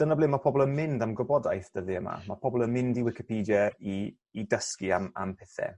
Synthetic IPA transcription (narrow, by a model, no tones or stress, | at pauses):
d̥ənəblˠɪnmapʰɔbɔlˠənmɪndamɡɔbɔdajθd̥əðiəma̰mapʰɔbɔlˠənmɪndiwɪkɪpʰiːdjəiː | dəskiama̰mpʰɛθɛ̰